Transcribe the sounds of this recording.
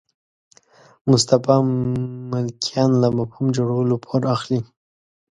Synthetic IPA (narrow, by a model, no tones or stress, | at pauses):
mʊst̪afɑmɪlkʰijɑnlamafhumd͡ʒoɽawəlopʰoɾaxli